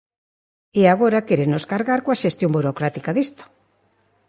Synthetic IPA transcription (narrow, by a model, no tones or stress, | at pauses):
eaɣ̞oɾakeɾenoskaɾɣaɾkoaʃest̪jombuɾokɾat̪ikaðist̪o̥